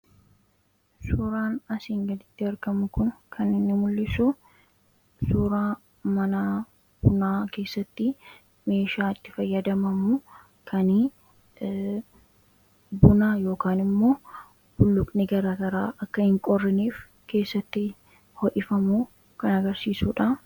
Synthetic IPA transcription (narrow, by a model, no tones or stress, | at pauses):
suɾaːnɐsiːŋɡɐd̪ɪt̪ːɪɐɾkɐmʊkʊnkʰɐnːɪnːɪmʊlːɪsu | suːɾaː | mɐna | b̥ʊnaːke̞ːsːɐt̪ːɪ | me̞ːʃaːɪt̪ːɪ̥fɐjːɐd̪ɐmɐmu | kʰɐnɪ | bʊnaːjo̞ːkaːnɪmːo̞ː | b̥ʊlːʊkʼnɪɡɐɾaːɡɐɾaːʔɐkːɐhɪŋkʼɔrːɪniːf | ke̞ːsːɐt̪ːɪ | hɔʔɪfɐmuː | kɐnɐɡɐɾsiːsuːᶑɐ